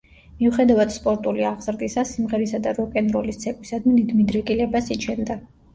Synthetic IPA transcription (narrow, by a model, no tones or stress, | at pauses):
miuχɛd̪avad̪̥spʼɔɾt̪ʼuliaʁz̥ɾd̪isasimʁɛɾisad̪aɾɔkʼɛnɾɔlist̪sʰɛkʼwisad̪minid̪mid̪ɾɛkʼilɛbasit͡ʃʰɛnd̪a